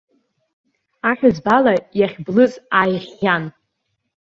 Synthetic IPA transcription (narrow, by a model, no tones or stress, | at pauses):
aħʷᶣazbalajaχʲblɨt͡sʼajʁʲan